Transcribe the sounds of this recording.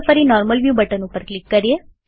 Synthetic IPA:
fəɾinɔɾməlʋjubəʈənũpəɾklikːəɾije

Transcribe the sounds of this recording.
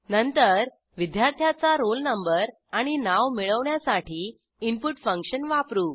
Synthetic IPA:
nənt̪əɾ | ʋid̪jaɾt̪ʰjat͡saɾolnəmbəɾ | aɽ̃inaʋmiɭəʋɳjasaʈiː | impuʈfəŋkɕənʋapɾuː

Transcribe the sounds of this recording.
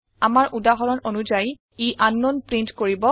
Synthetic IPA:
amaɹʔudaɦɔɹɔnonuzaj | iʔanːɔnpɹintkoɹibɔ

